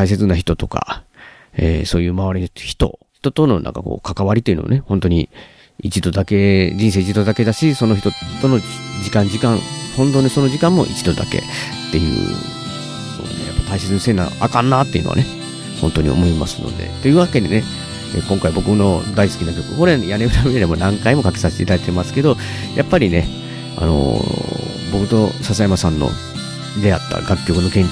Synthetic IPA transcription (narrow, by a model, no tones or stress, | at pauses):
ais̬e̞t͡sɨnaçi̥t̪o̞t̪o̞ka̰ | ḛːso̞ːjɯ̟ːmaβaɾinoçi̥t̪o̞̰çi̥t̪o̞t̪o̞no̞nʔã̰ŋkako̞̰ːkakaβaɾʲit̪eiɯ̟noa̰nehõ̞nt̪o̞ɲ̟i | it͡ɕid̪o̞d̪ake̞d͡ʑĩɰseːit͡ɕid̪o̞d̪ake̞d̪aɕiso̞noçi̥t̪o̞t̪ono̞d͡ʑikãɲd͡ʑikãŋhõ̞nt̪̬o̞ːɲʲiso̞noʑikãmːo̞̰ʔḭt͡ɕid̪o̞d̪ake̞̰ | t̪ːe̞jɯ̟̰ː | no̰d̪ejapːḁt̪aise̞t͡sɨnose̞ːnã̰akãnːat̪ːeiɯ̟no̰a̰ne | hõ̞nt̪o̞ɲ̟ḭo̞̰mo̞ima̰sɨno̞̰d̪e̞̰t̪o̞jɯ̟ːβake̞d̪e̞ne̞ | ekõ̞ŋkaibo̞kɯ̟no̞d̪aisɨ̥kʲinakʲo̞kɯ̟koɾejaneɯɾameeɾemo̞nãŋkaimo̞kakesaɕe̥t̪eit̪ad̪ait̪emasɨ̥ke̞d̪o̞ | jʔapːaɾʲine̞ | a̰no̞̰ | bo̞kɯt̪o̞sasajamasãnːo̰ | d̪e̞at̪ːa̰ɡakʲːo̞kɯ̟no̞kẽ̞ɲ